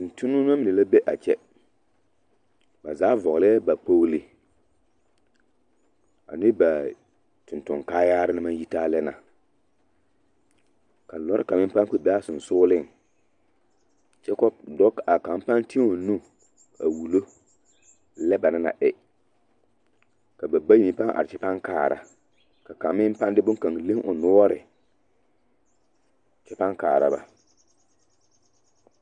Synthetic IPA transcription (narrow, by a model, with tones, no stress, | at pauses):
ʊ˨n˨tʰʊ˦nʊ˦n˦a˦mɪ˨e˨la˦be˦ʔa̰˨t͡ʃɛ˦ | ba˨zaː˨˦vɔ˨ɣlɪ˦ɛ˦ba˨k͡po˦wlɪ˨ | a̰˨nɪ˦ba˨ | tʊ̃˨ntʊ˨ŋkaː˦jaː˦ɾɪ˦nɪ˦ma˦n˦ji˦taː˦lɛ˦na̰˨ | ka˨lɔ˦ɾɪ˦ka˨mɪ̃˦m˦pã˦ŋk͡pe˦bɛ˦a˦sʊ˨n˨sʊː˦lɪ˦˨ŋ | t͡ʃɛ˦kɔ˦b̚dɔ˦ka˨ka˨m˦pa˦nti˦o˨nũ˦ | a˨wu˨lo˦ | lɛ˦ba˨nɪ˦na̰˨ʔɛ˨˦ | ka˨ba˨ba˦ji˨ĩ˨˦pa˦ŋʔa̰˨ɾɪ˨t͡ʃɛ˦pa˦ŋkaː˨ɾa̰˨ | ka˨ka˨mɪ˦m˦pa˦ndɪ˦bʊ˦ŋka˨ŋ˨le˦ʔʊ˨nʊ˦ɔ˦ɾɪ˨ | t͡ʃɛ˦pa˦ŋkaː˨ɾa̰˨ba̰˨